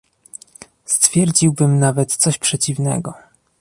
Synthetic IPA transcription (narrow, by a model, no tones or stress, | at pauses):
st̪fʲjɛɾd͡ʑiwbɘmnavɛt̪t̪sɔɕpʂɛt͡ɕivnɛ̰ɡɔ